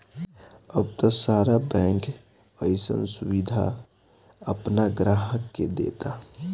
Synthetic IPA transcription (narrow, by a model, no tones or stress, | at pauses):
əb̚t̪ɔsaːɾabɛ̃ːŋk | əɪsə̰nsuʋid̪ʱa̰ | əpnaɡɾaːɦəkːed̪ḛt̪a